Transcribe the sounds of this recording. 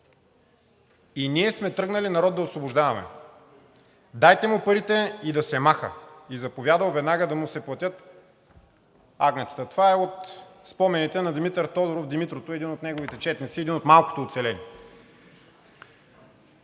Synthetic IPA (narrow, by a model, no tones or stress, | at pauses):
iniɛsmɛt̪ɾɤɡnɐlinɐɾɔd̪ːɐosvobʊʒd̪avɐmɛ̰ | d̪ajt̪ɛmʊpɐɾit̪ɛid̪ɐsɛmaxə̰izɐpovʲjad̪vəwˠvɛd̪naɡəd̪ɐmʊsɛplˠɐt̪ʲɤt̪ | aɡnɛt̪ə̥t̪ət̪ovaɛot̪spɔmɛnit̪ɛnɐd̪imit̪əɾt̪ɔd̪oɾofd̪imit̪ɾot̪oɛd̪inot̪nɛɡovit̪ɛt͡ʃɛt̪nit̪siɛd̪inot̪malˠko̥t̪oːt̪sɛlɛniɛ